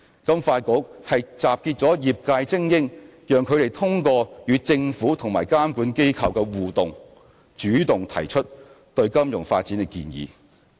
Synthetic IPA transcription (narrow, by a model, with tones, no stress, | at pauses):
kɐ˥mfaː˧tkʊ˨˥k̚hɐ˨jt͡saː˨p̚kiː˧t̚t͡sɔː˨˥jiː˨p̚kaː˧jt͡sɪ˥ŋjɪ˥ŋjœː˨ŋkʰɵ˨˧ɥɾe˨˩jt̪ʰʊ˥ŋkɔː˧jyː˨˧t͡sɪ˧ŋfuː˨˥t̪ʰʊ˨˩ŋmaː˨˩jkaː˥mkuː˨˥nke˥jkʰɐ˨wkɛː˧wuː˨˩t̪ʊ˨˩ŋ | t͡ʃyː˨˥t̪ʊ˨ŋt̪ʰɐ̰˨˩jt͡ʃʰɵ˥t̚ | t̪ɵ˧ɥkɐ˥mjʊ˨˩ŋfa̰ː˧t̚t͡si˨˥nɪ˧kḭː˧njḭː˨˧